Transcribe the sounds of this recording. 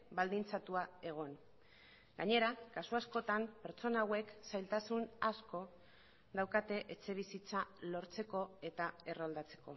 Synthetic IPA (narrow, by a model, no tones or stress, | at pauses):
bald̪int͡sat̪uae̞ɣ̞o̞n | ɡaɲe̞ɾakasuasko̞t̪ampe̞ɾt͡so̞naːwe̞ksajlt̪asunasko̞ | ðawkat̪e̞ʔet͡se̞βisit͡salo̞ɾt͡se̞ko̞e̞t̪ae̞rold̪at͡se̞̥ko̞̰